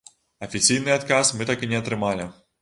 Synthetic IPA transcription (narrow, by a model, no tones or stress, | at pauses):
ɐfʲisʲijnɨjat̪kasmɨt̪akɨnʲɛɐt̪ɾɨmalʲi